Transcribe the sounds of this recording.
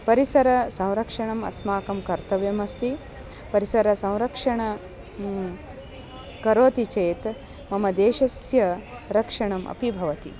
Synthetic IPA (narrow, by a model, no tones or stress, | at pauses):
pɐɾisɐɾɐsɐ̃w̃ɾɐkʂɐɳɐmɐ̰smaːkɐmkɐɾt̪ɐʋjɐmɐst̪i | pɐɾisɐɾɐsɐ̃w̃ɾɐkʂɐɳɐ | kɐɾoːt̪it͡ʃeːt̪ | mɐmɐd̪eːʃɐsjɐ | ɾɐkʂɐɳɐmʔɐ̰pibʱɐʋɐt̪ḭ